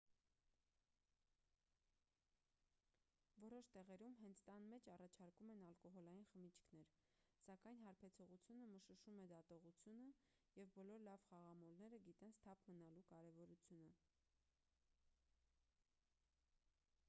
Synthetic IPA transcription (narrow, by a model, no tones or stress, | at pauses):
vɔɾɔʃt̪ɛʁɛɾumɦɛnt͡sʰt̪ɑnmɛt͡ʃʰɑrɑt͡ʃʰɑɾkumɛnɑlkɔɦɔlɑjinχəmit͡ʃʰkʰnɛɾsɑkɑjnɦɑɾpʰɛt͡sʰɔʁut͡sʰjunəməʃəʃumɛd̪ɑt̪ɔʁut͡sʰjunə | jɛvbɔlɔɾlɑvχɑʁɑmɔlnɛɾəɡit̪ɛnst̪ʰɑpʰmənɑlukɑɾɛvɔɾut͡sʰjunə